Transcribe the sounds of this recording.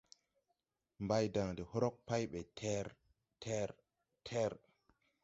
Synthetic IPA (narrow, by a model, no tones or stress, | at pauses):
mbajdaŋndɛhɔɾɔk̚pajɓɛtʰɛɾ | tʰɛɾ | tʰɛɾ